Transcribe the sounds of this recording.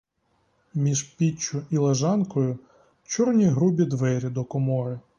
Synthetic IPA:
mʲiʒpʲit͡ʃːʊilˠeʒɑnkɔjʊ | t͡ʃɔrnʲiɦɾubʲid̪ʋɛɾʲid̪ɔkɔmɔɾɪ

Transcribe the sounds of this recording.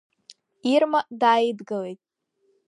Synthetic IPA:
irmadaːjidɡɨle̞jtʼ

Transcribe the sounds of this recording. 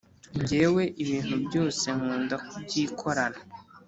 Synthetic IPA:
ɲɟe̞ːwe̞ʔiβiːn̥hubɟo̞ːse̞ŋ̥uːndakubɟiːkʰo̞ɾana

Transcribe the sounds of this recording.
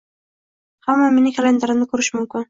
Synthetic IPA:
hamːamenɪkʰʲalend̪aɾɪmnɪkʰʊɾɪʃmʊmkʲɪn

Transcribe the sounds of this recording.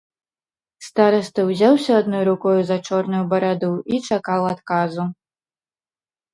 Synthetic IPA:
st̪aɾɐst̪ɨwzʲawsʲɐad̪nɔjɾukɔjuzɐt͡ʂɔrnujubɐɾad̪uʔit͡ʂakalˠat̪kazu

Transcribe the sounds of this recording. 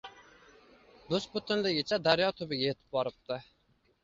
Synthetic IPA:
d̪osbʊt̪ʰɪnlɪɡʲɪt͡ʃʰɛd̪æɾjɑt̪ʰʊbɪɡʲɛjet̪ʰɪ̥p̚bɑɾɨp̚t̪ʰɨ

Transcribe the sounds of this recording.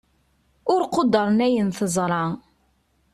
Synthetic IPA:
ʊɾqod̪ːəɾˤnæjənθəzˤɾˤɑ

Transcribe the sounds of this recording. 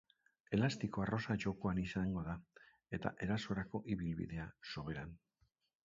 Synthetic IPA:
e̞last̪iko̞aro̞sat͡ʃo̞ko̞anisaŋɡo̞ða | e̞t̪a̰ʔe̞ɾaso̞ɾako̞ʔiβilβḭðe̞aso̞β̞e̞ɾan

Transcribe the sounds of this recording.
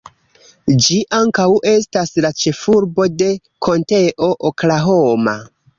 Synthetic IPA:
d͡ʒiʔaŋkawʔe̞staslat͡ʃe̞fuɾbo̞de̞ | kʰo̞nte̞ʔoʔoklaɦoma̰

